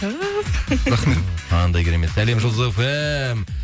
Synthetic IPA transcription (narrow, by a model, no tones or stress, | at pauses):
ɾɑχmet̪ʰɑnd̪ɑjkʲʰeɾeme̞t̪ːæle̞mʒəlˠzefem